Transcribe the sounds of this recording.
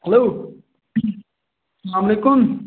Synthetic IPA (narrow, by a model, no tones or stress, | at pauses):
hɐloː | sɐlaːmɐlekʊm